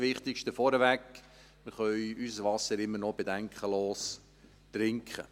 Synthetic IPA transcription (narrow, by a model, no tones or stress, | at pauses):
ʋɪχt̪ɪkʃtəfɔɾəvæk | məχœʏysəsvɑsəɾɪmːənɔb̥edæŋkʰχəloːs | t̪rɪŋkχə̰